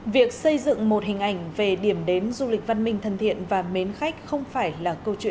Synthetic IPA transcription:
vi˨˩ək̚sə˧jzɨ̰˧˨ŋmo˨˩t̚hi˨˩ŋ̟ʔa˧˩jŋ̟ve˨˩ɗi˧˩əmɗe˨˦nzu˧lï˨˩k̚va˧nmï˧ŋ̟t̪ʰə˨˩nt̪ʰḭ˧˨ənvaː˨˩me˨˦nxa˦˥k̟̚xə˧wŋ͡mfaː˧˩jlaː˨˩kə˧wt͡ɕwḭ˧˨

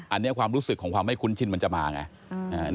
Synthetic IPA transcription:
ʔa˨˧nːi˦˥ɐkʰwaː˧mɾuː˦˥sɯ˨kʰːɔː˩˦ŋkʰwaː˧mːa˥˩jkʰu˧˦˥nt͡ɕʰi˧˥˩nma˧nt͡ɕa˨˩maː˧ŋa̰˧˩ | ʔaː˧˩n

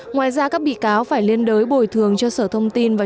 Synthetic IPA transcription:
ŋwaː˨˩jzaː˧kaː˦˥k̚ɓḭ˧˨kaː˨˦wfaː˧˩jli˧ənɗəː˨˦jɓo˨˩jt̪ʰɨ˨˩əŋt͡ɕɔ˧səː˧˩t̪ʰə˧wŋ͡mt̪i˧nvaː˨˩

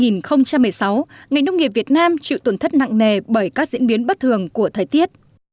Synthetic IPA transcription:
ŋi˨˩nxə˧wŋ͡mt͡ɕa˧mːɨ˨˩əjsa˨˦wŋa˨˩jŋnə˧wŋ͡mŋi˨˩əp̚vi˨˩ət̚naː˧mt͡ɕḭ˧˨t̪o˧˩nt̪ʰə˦˥t̚na̰˧˨ŋne˨˩ɓəː˧˩jkaː˦˥k̚zḭ˧˥ənɓi˨˦ənɓə˦˥t̚t̪ʰɨ˨˩əŋku˧˩ət̪ʰəː˨˩jt̪i˦˥ət̚

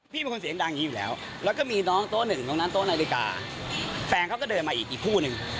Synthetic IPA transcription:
pʰiː˥˩˨i˧ku˧nsi˩˦ə˦ŋdaː˧ŋɲiː˦˥juː˨˩lɛ̰ː˦˥w | lɛː˦˥wkɔː˥˩miː˧nɔː˦˥ŋt̪oː˦˥nɯ˨˩ŋt̪ɔː˧˦ŋna˦˥nt̪oː˦˥na˧li˧ka̰ː˧ | fɛː˧ŋkʰa˦˥wkɔ˥˩dɤː˧nmaː˧ʔiː˨˩k̚ʔiː˨˩kʰuː˥˩nɯ˨˧ŋ

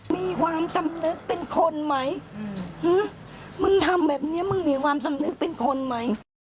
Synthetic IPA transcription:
miː˧˥kʰwaː˧msa˧mnɯ˦˥k̚pe˧nkʰo˧nma˦˥jhɯ˧˥ma˧˥˨nt̪ʰa˧mbɛː˨˩p̚ni˦˥ɐ˨mɯ˧˥˨nmiː˧˩kʰwaː˧msa˧mnɯ˦˥k̚pe˧˨nkʰo˧nma˦˥j

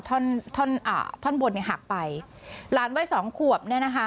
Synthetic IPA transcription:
t̪ʰɔ˥˩˨nt̪ʰo˥˩˨nʔa̰ː˨˩t̪ʰɔ˥˩nbo˧nːi˥˩ɦa̰˨˩k̚pa˧j | laː˨˦˥nwaː˦˥˩jsɔː˩˦ŋkʰu˨˩əp̚ni˥˩ɐna˦˥kʰa˦˥

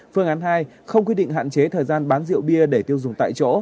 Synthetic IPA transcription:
fɨ˧əŋʔaː˨˦nɦaː˧j | xə˧wŋ͡mkwi˧ɗḭ˧˨ŋ̟ɦa̰ː˧˨nt͡ɕe˨˦t̪ʰəː˨˩jzaː˧nɓaː˨˦nzḭ˧˨əwɓi˧əɗe˧˩t̪i˧əwzʊ˨˩ŋ͡mt̪a̰ː˧˨jt͡ɕo̰˧˥

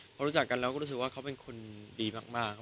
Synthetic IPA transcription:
pɔ˧˦ɾuː˦˥t͡ɕa˨˩kːa˧nlɛː˦˥wkɔː˥˩ɾu˦˥˨k̚waː˥˩kʰa˦˥wpe˧nkʰo˧ndiː˧maː˥˩k̚maː˥˩kʰːa˦˥

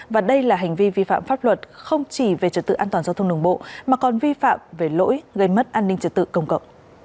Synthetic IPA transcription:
vaː˨˩ɗə˧jlaː˨˩ɦa˨˩jŋ̟vi˧vi˧fa̰ː˧˨mfaː˦˥p̚lwə˨˩t̚xə˧wŋ͡mt͡ɕi˧˩ve˨˩t͡ɕə˨˩t̪̚ɨ̰˧˨ʔaː˧t̪waː˨˩zaː˧t̪ʰə˧wŋ͡mɗɨ˧˩əŋɓo̰˧˨maː˨˩kɔ˨˩nvi˧fa̰ː˧˨mve˨˩lo̰˧˥jɣə˧jmə˦˥t̚ʔaː˧nːï˧ŋ̟t͡ɕə˨˩t̪̚ɨ̰˧˨kə˧wŋ͡mkə̰˧˨wŋ͡m

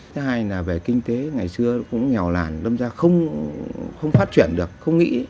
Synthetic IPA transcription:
t̪ʰːɦaː˧jlaː˨˩ve˨˩kï˧ŋ̟t̪e˨˦ŋa˨˩jsɨ˧əkʊ̰˧˥ŋ͡mɲɛ˨˩wla̰ː˨˩nlə˧mzaː˧xə˧wŋ͡m | xə˧wŋ͡mfaː˦˥t̚t͡ɕwi˧˩ənɗɨ˨˩ək̚xə˧wŋ͡mŋḭ˧˥

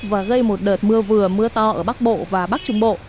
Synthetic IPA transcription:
vaː˨˩ɣə˧jmo˨˩t̚ɗəː˨˩t̚mɨ˧əvɨ˨˩əmɨ˧ət̪ɔ˧ʔəː˧˩ɓa˦˥k̚ɓo̰˧˨vaː˨˩ɓa˦˥k̚t͡ɕʊ˧ŋ͡mɓo̰˧˨

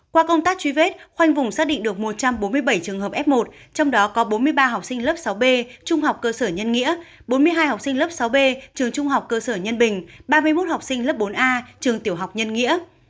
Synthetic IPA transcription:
kwaː˧kə˧wŋ͡mt̪aː˦˥k̚t͡ɕwi˨˦ve˦˥t̚xwa˧jŋ̟vʊ˨˩ŋ͡msaː˦˥k̚ɗḭ̈˧˨ŋ̟ɗɨ˨˩ək̚mo˨˩t̚t͡ɕa˧mɓo˨˦nmɨ˧əjɓə˧˩jt͡ɕɨ˨˩əŋɦəː˨˩p̚ʔɛ˦˥p̚mo˨˩t̚ | t͡ɕɔ˧wŋ͡mɗɔ˨˦kɔ˨˦ɓo˨˦nmɨ˧əjɓaː˧ɦa˨˩wk͡p̚sï˧ŋ̟ləː˦˥p̚sa˨˦wɓe˧t͡ɕʊ˧ŋ͡mha˨˩wk͡p̚kəː˧səː˧˩ɲə˧nŋḭ˧˥ə | ɓo˨˦nmɨ˧əjɦaː˧jha˨˩wk͡p̚sï˧ŋ̟ləː˦˥p̚sa˨˦wɓe˧t͡ɕɨ˨˩əŋt͡ɕʊ˧ŋ͡mɦa˨˩wk͡p̚kəː˧səː˧˩ɲə˧nɓï˨˩ŋ̟ɓaː˧mɨ˧əjmo˦˥t̚ha˨˩wk͡p̚sï˧ŋ̟lə˦˥p̚ɓo˨˦nʔaː˧t͡ɕɨ˨˩əŋt̪i˧˩əwɦa˨˩k͡p̚ɲə˧nŋḭ˧˥ə

